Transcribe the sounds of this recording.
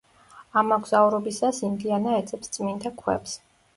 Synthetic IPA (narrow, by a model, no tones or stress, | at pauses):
amːɔɡz̥auɾɔbisasind̪ianaɛd̪sʰʼɛpst̪sʼmint̪ʰakʰwɛ̰ps